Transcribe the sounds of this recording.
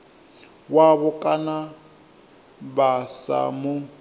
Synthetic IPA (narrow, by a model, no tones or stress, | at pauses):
waβʊkʼana | basa̰mʊ